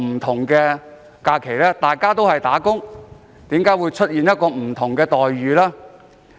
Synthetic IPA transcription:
m̩˨˩t̪ʰʊ˨˩ŋkɛː˧ | kaː˧kʰe˨˩jlɛː˥t̪aː˨jkaː˥t̪o˥whɐ˨˩jt̪aː˨˥kʊ˥ŋ | t̪iː˨˥mkaː˨˥jwuː˨˧jt͡ʃʰɵ˥t̚jiː˨njɐ˥t̚kɔː˧m̩˨˩t̪ʰʊ˨˩ŋkɛː˧t̪ɔː˨jɥyː˨˧laː˥

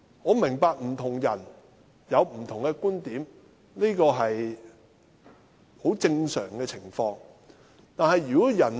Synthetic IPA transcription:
ŋɔː˨˧mɪ˨˩ŋpaː˨k̚m̩˨˩t̪ʰʊ˨˩ŋjɐ˨˩n | jɐ˨˧wm̩˨˩t̪ʰʊ˨˩ŋkɛ˧kuː˥nt̪iː˨˥m | liː˥kɔː˧ɦɐ˨j | ho˨˥wt͡sɪ˧ŋsœ̰ː˨˩ŋkɛː˧t͡sʰɪ˨˩ŋfɔː˧ŋ | t̪aː˨nɦɐ˨jːyː˨˩kɔ˨˥jɐ˨˩n

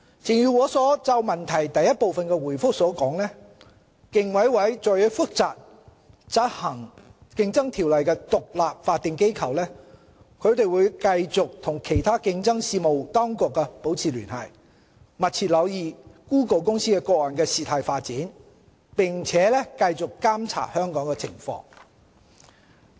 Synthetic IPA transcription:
t͡sɪ˨ŋjyː˧wɔː˨˧˥sɔː˨˥t͡sɐ˧wmɐ˨˩nt̪ʰɐ˨˩jt̪ɐ˨jːɐ˥t̚po˨˧wfɐ˨nkɛ˧wuː˨˩jfʊ˥k̚sɔː˨˥kɔː˨˥ŋlɛː˥ | kɪ˨ŋwɐ˨˥jwɐ˨˥jt͡ʃɔː˨˧jɔ˨˥fʊ˥k̚t͡saː˨k̚ | t͡sɐ˥t̚hɐ˨˩ŋkɪ˧ŋt͡sɐ˥ŋt̪ʰiː˨˩wlɐ˨jkɛː˧t̪ʊ˨k̚laː˨p̚faː˧t̚t̪ːɪ˨ŋke˥jkʰɐ˨˩wlɛː˥ | kʰɵ˨˧ɥt̪e˨jwuː˨˧jkɐ˧jt͡sʊ˨k̚t̪ʰʊ˨˩ŋkʰe˨˩jt̪ʰaː˥kɪ˧ŋt͡sɐ˥ŋsiː˧mo˨wt̪ɔː˥ŋkʊ˨kːɛ˧po˨˥wt͡sʰiː˨lyː˨˩nhɐ̰˨˩j | mɐ˨t̚t͡sʰiː˧t̚lɐ˨˧wjiː˨kuː˥ko˨˩wkʊ˥ŋsiː˥kɛː˧kɔː˧k̚lɔ˨˩nkɛː˧siː˨t̪ʰaː˨˧jfaː˧t̚t͡siː˨˥n | pɪ˨ŋt͡sʰɛː˨˦lɛː˥kɐ˧jt͡sʊ˨kːaː˥mt͡sʰa̰ː˨˩hœː˥ŋkɔː˨˥ŋkɛː˧t͡sʰɪ̰˨˩ŋfɔ̰ː˧˥ŋ

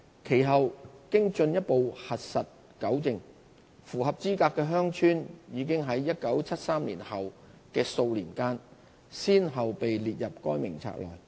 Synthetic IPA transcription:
kʰe˨˩jɦɐ˨wkɪ˥ŋt͡sɵ˧njɐ˥t̚po˨whɐ˨t̚sɐ˨t̚ | kɐ˨˥wt͡sɪ˨˧ŋ | fuː˨˩ɦɐ˨p̚t͡siː˥kaː˧kːɛː˧ɦœː˥ŋt͡ʃʰyː˥njiː˨˧k̬ɪ˥ŋɦɐ˨˥jːɐ˥t̚kɐ˨˥wt͡sʰɐ˥t̚saː˥mlḭː˨˩nhɐ˨w | kɛː˧so˧wliː˨˩nkaː˥n | siː˥nɦɐ˨wpe˨jliː˨t̚jɐ˨p̚kɔː˥jmɪ˨˩ŋt͡sʰa̰ː˧˥k̚lɔ̰ː˨˩j

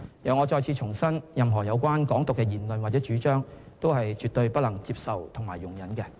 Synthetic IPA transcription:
jɐ˨˧ŋɔ˨˧t͡ʃɔː˧jt͡sʰiː˨˧t͡ʃʰʊ˨˩ŋsɐ˥njɐ˨mɦɔː˨˩jɐ˨˧wkʷwaː˥nkɔː˨˥ŋt̪ʊ˨kːɛ˧jiː˨˩nlɵ˨nwaː˨˩t͡sɛː˨˥t͡ʃyː˨˥t͡ʃœː˥ŋ | t̪o˥wɦɐ˨jt͡ʃyː˨t̪ːɵ˧ɥpɐ˥t̚lɐ˨˩ŋt͡siː˧p̚sɐ˨wt̪ʰʊ˨˩ŋma̰ː˨˩jʊ˨˩ŋjɐ˨˥nkɛ˧

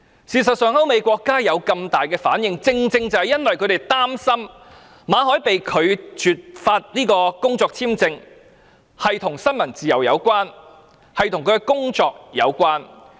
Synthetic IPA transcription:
siː˨˩sɐ˨t̚sœː˨ŋhɐ˨˥wme˨˧jkʷɔː˧kːaː˥jɐ˨˧wkɐ˧mt̪aː˨jkɛː˧fa̰ː˨˥njɪ˨˧ŋt͡sɪ˧ŋt͡sɪ˧ŋt͡sɐ˨˧whɐ˨jɐ˥nwɐ˨jkʰɵ˨˧ɥt̪e˨˩jt̪aː˥msɐ˥m | maː˨˧ɦɔː˨˥jpe˨jkʰɵ˨˧ɥt͡ʃyː˨t̚faː˧t̚niː˥kɔː˧kʊ˥ŋt͡sɔː˧k̚t͡sʰiː˥mt͡sɪ˧ŋ | hɐ˨jt̪ʰʊ˨˩ŋsɐ˥nmɐ˨˩nt͡siː˨jɐ˨˩wjɐ̰˨˧wkʷaː˥n | hɐ˨jt̪ʰʊ˨˩ŋkʰɵ˨˧˥kɛ˧kʊ˥ŋt͡sɔː˧k̚jɐ̰˨˧wkʷaː˥n

